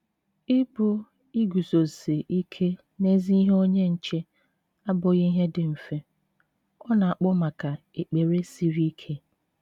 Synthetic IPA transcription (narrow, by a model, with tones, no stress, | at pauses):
ɪ˦bʊ˦ | i˦ɡu˨so˨se˨ʔi˦kʰe˦ | ne˦zi˦i˦ɦe˦o˦ɲe˦n̩˨t͡ʃe˦ | a˦bʊ˨ɣi˦i˦ɦe˦dɪ˨m̩˨fe˦ | ɔ˦na˨a˨k͡pʊ˦ma˨ka˨ | e˨k͡pe˨ɾe˦si˦ɾi˦kʰe˦